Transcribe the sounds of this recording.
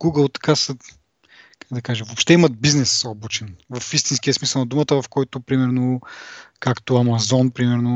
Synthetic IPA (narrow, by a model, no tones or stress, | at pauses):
ɡuɡəlˠt̪ɐ̥kasə | kakd̪ɐkaʒɛvopʃt̪ɛimɐt̪̚biznɛsɔbut͡ʃɛnvɐfist̪inskʲiəsmisəlˠnɐd̪umət̪əvɐfkɔjt̪ʊpɾimɛɾno | kakt̪oɐmɐzɔnpɾimɛɾno